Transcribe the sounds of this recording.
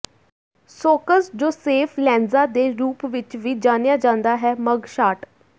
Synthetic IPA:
soːkəsd͡ʒoːseːfʰlɛ̃ːnzaːd̪eːɾuːpʋɪt͡ʃʋiːd͡ʒaːnejaːd͡ʒãːnd̪aːɦɛːməɡʃaːʈ

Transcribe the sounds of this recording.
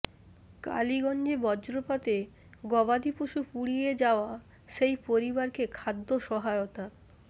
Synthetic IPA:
ka̰liɡɔnd͡ʑebɔd͡ʑɾopat̪e | ɡɔbad̪ipoʃupuɽied͡ʑaoa | ʃejpoɾibaɾkekʰad̪ːoʃɔɦaeot̪a

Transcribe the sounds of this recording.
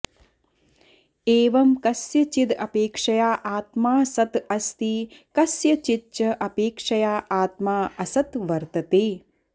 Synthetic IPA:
eːʋɐmkɐsjɐt͡ʃid̪ɐpeːkʂɐjaːʔaːt̪maːsɐt̪ɐst̪ikɐsjɐt͡ʃit͡ʃɐʔɐpeːkʂɐjaːʔaːt̪maːɐsɐt̪ʋɐɾt̪ɐt̪eː

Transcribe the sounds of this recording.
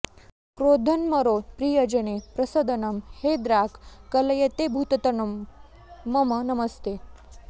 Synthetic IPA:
kɾoːd̪ʱɐnmɐɾoːpɾiːjɐd͡ʒɐnepɾɐsɐd̪ɐnɐmheːd̪ɾaːkkːɐlɐjɐt̪ebʱuːt̪ɐt̪ɐnumː | ɐmɐnɐmɐst̪eː

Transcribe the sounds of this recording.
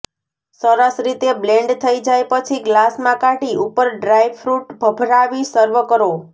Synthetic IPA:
səɾəsɾit̪eblɛ̃ɳɖt̪ʰəid͡ʒajpət͡ʃʰiɡlasmãkaʈiupəɾɖɾajʋfɾuʈbʱəbʱɾaʋisəɾʋəkəɾo

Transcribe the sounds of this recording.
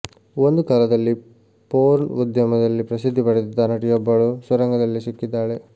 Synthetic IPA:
ond̪ukaːlɐd̪ɐlːi | poːɾnud̪jɐmɐd̪ɐlːipɾɐsid̪ʱːipɐɽet̪id̪ːɐnɐʈijobːɐɭusɐɾɐŋɡɐd̪ɐlːisikːid̪ːaːɭe

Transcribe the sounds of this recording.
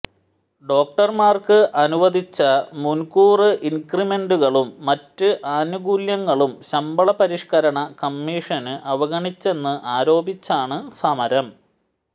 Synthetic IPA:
ɖo̞ːk̚ʈɐrmaːrkɨʔɐnuʋɐd̪it͡ɕːɐmunkuːrɨʔinkrime̞nɖuɣɐɭumːɐtːɨʔaːnuɣuːljɐŋːɐɭumɕɐmbɐɭɐpɐɾiʂkɐɾɐɳɐkɐmːiːʂɐnɨʔɐʋɐɣɐɳit͡ɕːe̞nːɨʔaːɾo̞ːbit͡ɕːaːɳɨsɐmɐɾɐm

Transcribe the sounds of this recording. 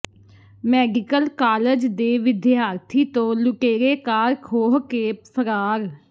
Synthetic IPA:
mɛːɡɪkəlkaːləd͡ʒd̪eːʋɪd̪jaːɾt̪ʰiːt̪õːlʊkeːɾeːkaːɾkʰoːɦkeːppʰəɾaːɾ

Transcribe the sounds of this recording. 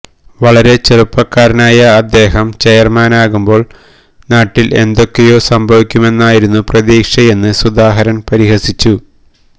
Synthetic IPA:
ʋɐɭɐɾe̞t͡ɕerupːɐkːaːɾɐnaːjɐːd̪ːe̞ːɦɐmt͡ɕejɐrmaːnaːɣumbo̞ːɭ | naːʈːilʔe̞nd̪o̞kːejo̞ːsɐmbʱɐʋikʲːume̞nːaːjiɾunːuprɐðiːkʂɐje̞nːɨsud̪aːɦɐɾɐnpɐɾiɦɐsit͡ɕːu

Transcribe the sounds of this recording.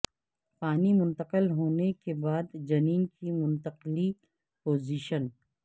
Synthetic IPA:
paːnimʊ̃nt̪əqəlɦoːnekebaːd̪d͡ʒɐniːnkimʊ̃nt̪əqli | poːziːʃən

